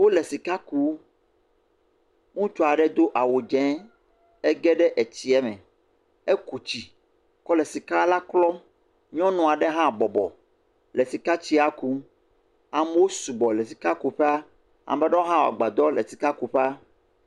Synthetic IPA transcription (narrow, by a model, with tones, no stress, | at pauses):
wo˦le˨si˨ka˦ku˦ | ŋũ˦t͡ʃɔ˦a˨ɖɛ˦d̪o˦ʔa˨wo˨d͡ʒɛ̃˨˦ | ɛ˦ɡɛ˦ɖɛ˦ʔe˨t͡ɕi˦ɛ˦mɛ̰̃˨ | e˦ku˨t͡ɕi˨ | kɔ˦lɛ˨si˨ka˦la˦klɔ˦ | ɲɔ̃˦nɔ̃˨a˨ɖɛ˦ɦã˦˨bɔ˨bɔ̰˨ | le˨si˨ka˦t͡ɕi˦a˦ku˦ | a˨mɛ˦wo˦su˨ɡ͡bɔ˨le˨si̥˨ka˦ku˦ɸɛ˦a˦ | a̰˨m˨bɛ˦ɖɔ˦o˦ɦã˦wo˨a̰˨ɡ͡ba˨d̪ɔ˦lɛ˨si˨ka˦ku˨ɸɛ˦a˦